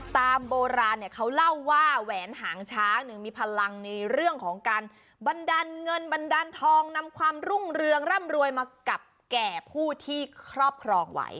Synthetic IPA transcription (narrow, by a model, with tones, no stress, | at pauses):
t̪aː˧mboː˧ɾaː˧nːi˥˩əkʰa˦˥wla˥˩wːaː˥˩wɛː˩˦nɦaː˩˦ŋt͡ɕʰaː˦˥nɯ˧˩miː˧pʰa˧la˧ŋna˧ɾɯ˥˩əŋkʰɔː˩˦ŋkaː˧n | ba˧ndaː˧nŋɤ˧nba˧ndaː˧nt̪ʰɔː˧ŋna˧mkʰwaː˧mɾu˥˩ŋɾɯ˧əŋɾa˥˩mɾu˧əjmaː˧ka˨˩p̚kɛː˨˩pʰuː˥˩t̪ʰiː˥˩kʰɾɔː˥˩p̚kʰɾɔː˧ŋwa̰˦˥j